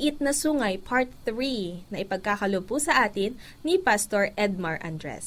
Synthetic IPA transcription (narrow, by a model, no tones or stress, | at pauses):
ʔɪt̪̚nɐsuːŋɐjpʰaɹt̪̚θɹinɐʔɪpɐɡ̚kakɐlob̚pʊsɐʔaːt̪ɪnː | ipast̪oɹʔɛd̪̚mɐɹʔa̰nd̪ɹɛ̰s